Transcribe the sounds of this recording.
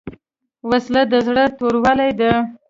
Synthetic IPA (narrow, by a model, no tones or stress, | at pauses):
waslad̪əzɽət̪oɾwalajd̪ə